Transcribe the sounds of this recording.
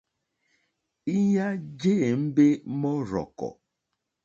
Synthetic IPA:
i˦ɲa˦d͡ʒe˦˨m̩˦be˦mɔ˦ɾɔ̰˨kɔ̰˨

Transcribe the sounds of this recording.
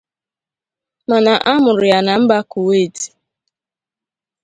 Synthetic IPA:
ma˨na˨ʔa˦mʊ˨ɾʊ˨ja˨na˨m̩˦ba˦ku˨we˦˨ti̥˨

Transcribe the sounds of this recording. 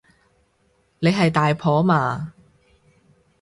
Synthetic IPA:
ne˨˧jɦɐ˨jt̪aː˨jpʰɔː˨˥maː˨˧

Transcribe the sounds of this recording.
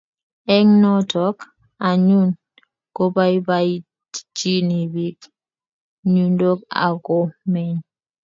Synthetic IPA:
ɛ˦ŋnɔtɔk | a˨ɲu˦n | ɡ̥ɔ˦ba˦jbai | d͡ʒi˦ni˨bik | ɲundo˦ka̰˨ɡɔ˦mɛ˨ɲ

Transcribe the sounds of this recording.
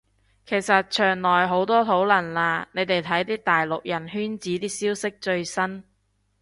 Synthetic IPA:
kʰe˨˩jsɐ˨t̚t͡ʃʰœː˨˩ŋlɔː˨˩jɦo˨˥wt̪ɔː˥t̪ʰo˨˥wlɐ˨˩nlaː˧ne˨˧jt̪e˨jt̪ʰɐ˨˥jt̪iː˥t̪aː˨jlʊ˨k̚jɐ˨˩nɦyː˥nt͡siː˨˥t̪iː˥siː˥wsɪ˥k̚t͡ʃɵ˧ɥsɐ˥n

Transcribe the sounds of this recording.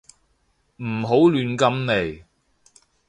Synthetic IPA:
m̩˨˩ɦo˨˥wlyː˨˧nkɐ˧mne˨˩j

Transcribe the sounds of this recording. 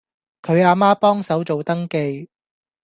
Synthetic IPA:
kʰɵ˨˧ɥaː˧maː˥pɔː˥ŋsɐ˨˥wt͡so˨wt̪ɐ˥ŋke˧j

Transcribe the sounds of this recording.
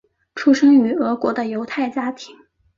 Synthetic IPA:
ʈ͡ʂʰu˥ʂɤ˥ŋy˧˥ɤ˧˥kwɔ˧˥d̪ə˧jo˧˥ʊt̪ʰa˥˩ɪt͡ɕja˥t̪ʰi˧˥ŋ

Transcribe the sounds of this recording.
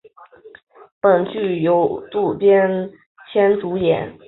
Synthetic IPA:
pə˨˩nt͡ɕy˥˩jo˧˥ʊt̪u˥˩pjɛ˥n | t͡ɕʰjɛ˥nʈ͡ʂu˧˥jɛ̰˨˧˩n

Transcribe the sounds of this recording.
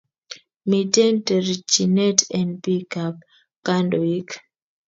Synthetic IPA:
mi˨tɛ˦ntɛ˨ɾt͡ʃi˨nɛ˦tɛ˨ndpi˦kap̚ | kːa˦ndo˨i˦k

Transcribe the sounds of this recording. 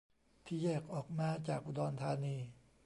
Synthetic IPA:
t̪ʰiː˥˩jɛː˥˩k̚ʔɔː˨˩k̚maː˧t͡ɕaː˨˩k̚ʔu˧dɔː˧nt̪ʰaː˧niː˧

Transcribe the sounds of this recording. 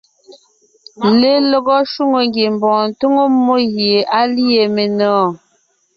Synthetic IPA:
le˦lo˦ɣɔ˦ʃu˦ŋo˨ŋɡe˨m˨bɔ̃ː˨n˨tu˦ŋo˦mːo˦ɣje˨ʔa˦li˦e˨me˨nɔː˨˦˨

